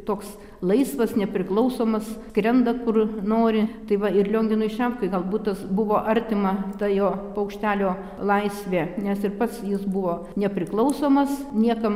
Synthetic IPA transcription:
t̪oːks | lˠɐɪsʋɐsnʲɛpʲɾʲɪklˠɐʊsoːmɐskɾʲɛnd̪ɐkʊrnoːɾʲɪt̪ɐɪʋɐɪɾlʲoːŋʲɡʲɪnʊɪʃʲɛmpkɐɪɡɐlˠbuːt̪ɐsbʊʋoːʔɐɾʲt̪ʲɪmɐt̪ɐjoːpɐʊkʃʲt̪ʲæːlʲoː | lˠɐɪsʲʋʲeːnʲɛsɪrpɐt̪sjɪsbʊʋoː | nʲɛpʲɾʲɪklˠɐʊsoːmɐsnʲiɛkɐm

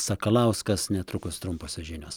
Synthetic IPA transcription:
sɑkɐlˠɐˑʊskɐsnʲɛt̪ɾʊkʊst̪ɾʊmpoːsʲɪʒʲɪnʲo̰ːs

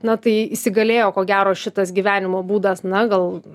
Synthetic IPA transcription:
nɐt̪ɐɪisʲɪɡɐlʲeːjoːkoːɡʲæːɾoːʃʲɪt̪ɐsɡʲiːʋʲæːnʲɪmoːbuːd̪ɐsnɐɡɐlˠ

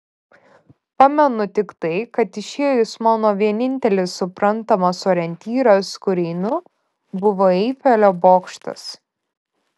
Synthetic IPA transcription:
pɑːmʲɛnʊt̪ʲɪkt̪ɐɪkɐt̪ɪʃʲeːjʊsmɑːnoːʋʲiɛnʲɪnʲt̪ʲɛlʲɪsːʊpɾɐnt̪ɐmɐsoːɾʲɛnʲt̪ʲiːɾɐskʊɾʲɛɪnʊ | bʊʋoːɛɪfʲɛlʲoːboːkʃt̪ɐ̰s

